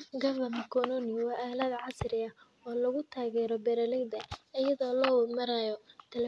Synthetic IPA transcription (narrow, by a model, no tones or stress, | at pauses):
ɡɐvɐmɐkʰɔnɔnɪwɑːʔaːlɐd̪ʕɑsrɪɐ | ɔːlɐɣʊt̪ʰaːɣɛːɾɔbɛɾɐlɪɡd̪ɐɐjɐðɔːlɔːwʊlmɐɾajɔt̪ʰɛl